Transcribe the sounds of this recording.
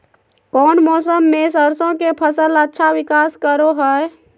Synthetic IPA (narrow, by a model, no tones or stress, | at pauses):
kɔːnmɔːsəmːẽs̬əɾsõkepʰəsələtːʃʰawɪkaːskəɾoɦɛ